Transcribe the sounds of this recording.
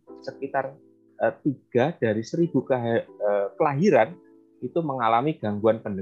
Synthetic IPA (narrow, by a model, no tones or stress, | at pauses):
səkit̪ar | ət̪iɡ̥a̤hd̥aɾisəɾibukəkəlaɦiɾan | it̪uməŋalamiɡ̥aŋɡuanpəndə